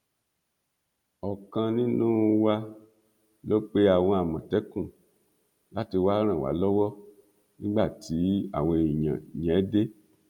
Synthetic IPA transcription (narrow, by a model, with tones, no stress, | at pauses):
ɔ˨kã˧nĩ˦nũ˦˧wa˧ | lo˦k͡pe˦a˨w̃ɔ̃˧a˨mã˨tɛ˨˦kũ˦˨ | la˦ti˧wa˦ɾ̃ã˦˨wa̰˨˦lɔ˦wɔ˦ | nĩ˦ɡ͡ba˦˨tʰi˨˦a̰˦˨w̃ɔ̃˧˨i˨ɲã̰˨ɲɛ̃˨˦de˦